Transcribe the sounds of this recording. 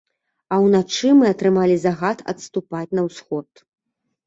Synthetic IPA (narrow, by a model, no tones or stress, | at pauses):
ɐwnat͡ʂɨmɨɐt̪ɾɨmalʲizaɣat̪ʰɐ̰t̪st̪upat͡sʲnɐwsxɔt̪